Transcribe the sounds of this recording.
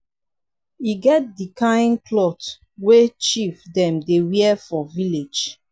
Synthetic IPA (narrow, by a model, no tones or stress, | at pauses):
iɡɛt̚dikãĩnkʰlɔt | wet͡ʃifdɛ̃mdewiɛfɔviled͡ʒ